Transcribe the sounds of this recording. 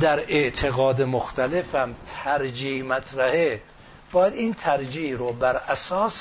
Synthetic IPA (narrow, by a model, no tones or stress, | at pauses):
d̪æɾeʔt̪ʰeɣɒːd̪emoxt̪ʰælefæmt̪ʰæɾd͡ʒiːhmæt̪ʰɾæhe | b̥ɒːjæd̪iːnt̪ʰæɾd͡ʒiːhɾobæɾæsɒːs